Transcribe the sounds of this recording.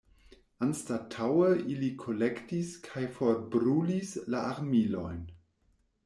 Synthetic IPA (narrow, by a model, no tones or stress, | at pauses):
anstatʰawəʔilikʰolektiskʰajfoɾbɾulislaaɾmilo̰jn